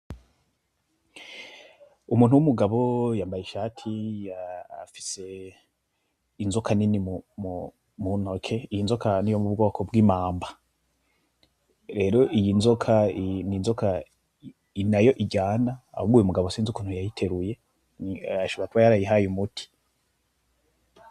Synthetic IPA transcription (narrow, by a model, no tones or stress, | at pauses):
umuːn̥uwumuɡaβo̞jaːmbajeʃaːtʰijaa̰fi̥se̞ | inzokʰaninimumu | munokʰe̞ijinzokanijomubɡo̞ːkʰobɡiːmaːmba | ɾe̞ːɾo̞ʔijinzokʰaniːnzokʰa | inajo̞ʔiɟaːnaa̰humɡujumuɡaβosiːnzukun̥hujajitʰe̞ɾuje̞ | aʃoβakuwajaɾajiɦajumutʰi̥